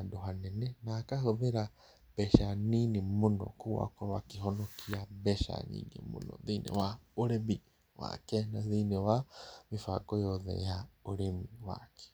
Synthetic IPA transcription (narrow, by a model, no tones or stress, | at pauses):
adoɦanɛnɛnaːkahoβeɾa | bɛʃaninimonɔ̰kuwa̰kɔwakiɦɔnɔkʰiaβɛʃa̰nḭːŋḛmṵnɔ̰ðinɛ̰waoɾemi | wa̰kɛnaðinɛwamifakɔjɔðɛ̰jaoɾemiwa̰kɛ̥